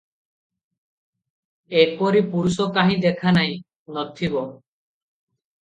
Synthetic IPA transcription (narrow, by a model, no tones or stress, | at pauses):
epɔɾipuɾusɔkaɦĩd̪ekʰanaĩ | nɔt̪ʰibɔ